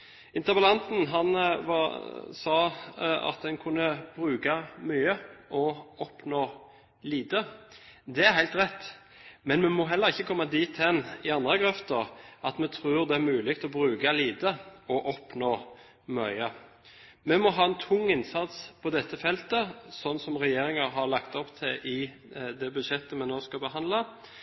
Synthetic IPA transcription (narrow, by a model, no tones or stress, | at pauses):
ɪnt̪əbəlɑnt̪n̩ɦɑnʋɑ̰sɑːɑ̰t̪̚d̪ɛnkʰʊnːəb̥ɾʉːɡɑmyːəʔɔɔpnoː | liːd̪əd̪ɛæɾhæɪlt̪ʁɛt̪ː | mɛnmɛmɔɦɛlːəʁɪçːəkʰɔmːɑd̪iːt̪ːɛnɪɑnd̪ʁəɡʁɛft̪əʁʔɑt̪mɛt̪ʰɾʉːɾd̪ɛæɾmʉːlɪɡt̪ɔbɾʉːɡɑliːd̪əɔʔɔpnoː | mœʏə | mɛmɔɦɑːɛnt̪ʰʊŋːɪnsɑt̪spʰɔd̪ɛt̪ːəfɛlt̪əsɔnːsɔmʁɛjeːɾɪŋɑɾɦɑɾɭɑkt̪ɔpt̪ʰɪʔɪ | d̪ɛbʉd̪ʃɛt̪ːəmɛnoːskɑbəɦɑnd̪lɑ